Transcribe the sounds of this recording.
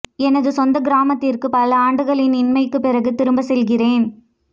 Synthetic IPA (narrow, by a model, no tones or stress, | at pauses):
ɛnɐðɯsɔnd̪ɐɡɪɾaːmɐt̪ːɪrkɯpɐlɐaːɳɖɯɣɐɭɪnɪnmɐɪkːɯpːɪrɐɣɯt̪ːɪɾɯmbɐsɛlɣɪreːn